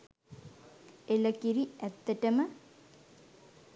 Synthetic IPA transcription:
eləkiɾiæt̪ːɐʈɐmə

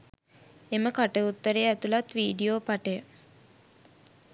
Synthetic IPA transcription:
eməkaʈəut̪ːəɾeæt̪ulat̪ʋiːɖioːpaʈəjə

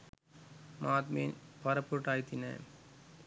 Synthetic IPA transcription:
maːt̪miːnpɐɾɐpːuɾʈaːjt̪ːinḛ

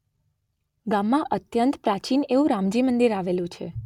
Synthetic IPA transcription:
ɡamːãʔət̪jənt̪pɾat͡ʃineʋũɾamd͡ʒimənd̪iɾaʋelũt͡ʃʰḛ

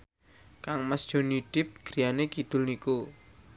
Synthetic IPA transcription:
kaŋməsd̥ʒ̥ɔ̤niɖ̥ɪp̚ɡ̥ɾijanekid̪̥ʊ̤lniku

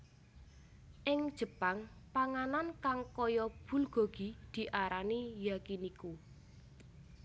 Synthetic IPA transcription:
ʔɪŋd̥ʒ̥ə̤paŋ | paŋanankaŋkɔjɔb̥ṳlɡ̥o̤ɡ̥i̤d̪̥i̤ʔaɾanijakiniku

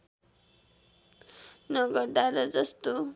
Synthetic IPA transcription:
nʌɡʌɾd̪aɾʌd͡zʌst̪o

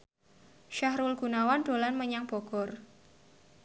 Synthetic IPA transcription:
ʃaɦɾulɡ̥unawand̪̥o̤lanməɲaŋb̥ɔ̤ɡ̥ɔ̤r

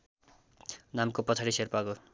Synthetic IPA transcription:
namkopʌt͡sʰaɾiserpako

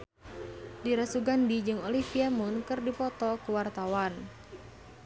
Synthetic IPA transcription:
diɾasuɡandid͡ʒɨŋolifiamunkɨrdipɔt̪ɔkuwart̪awan

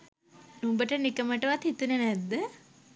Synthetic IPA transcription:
numbəʈənikəməʈəʋat̪hit̪unənæd̪ːə

